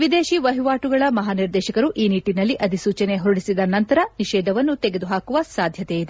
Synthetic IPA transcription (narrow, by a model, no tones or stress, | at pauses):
ʋid̪eːʃiʋɐɦiʋaːʈuɡɐɭɐmɐɦaːniɾd̪ɛːʃɐkɐɾuʔiːniʈːinɐlːiʔɐd̪ʱisuːt͡ʃɐne̞ɦoɽisid̪ɐnɐnt̪ɐɾɐniʃɛːd̪ʱɐʋɐnːut̪eɡe̞d̪uɦaːkuʋɐsaːd̪ʱjɐt̪ejid̪e